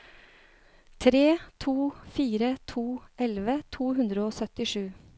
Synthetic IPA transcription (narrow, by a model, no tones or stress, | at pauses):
t̪ʰɾeːt̪ʰuːfiːɾət̪ʰuːʔɛlʋət̪ʰuːhʉnd̪ɾəoːsœt̪ɪʂʉː